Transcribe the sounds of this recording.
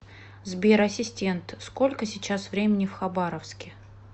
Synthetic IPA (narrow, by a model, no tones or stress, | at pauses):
zbʲeɾɐsʲɪsʲtʲe̞nt̪sko̞lʲkəsʲɪt͡ɕasvɾʲemʲɪnʲɪfxɐbaɾəfskʲɪ